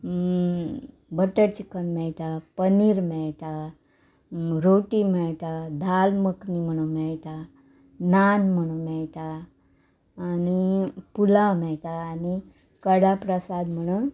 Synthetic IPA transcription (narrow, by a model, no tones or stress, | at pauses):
bəʈəɾt͡ɕikənmɛɭʈapəniɾmɛɭʈa | ɾoʈimɛɭʈad̪ʱalməknim̤əɽ̃umɛɭʈa | nanm̤əɽ̃umɛɭʈa | nipulamɛɭʈ̪aːni | kəɽapɾəsad̪m̤əɽ̃un